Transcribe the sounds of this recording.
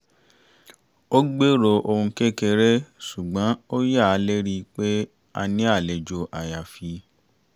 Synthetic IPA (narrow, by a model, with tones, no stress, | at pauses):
o˦ɡ͡be˦ɾo˧ʔo˧ũ˧kɛ˦kɛ˧ɾɛ˦su˨ɡ͡bã˨˦o˦ja˦˨a˨˦le˦ɾi˧k͡pe˦ | a̰˧nĩ˦a˦˨lɛ˨d͡ʒo˧ʔa˨ja˨fi˨˧˦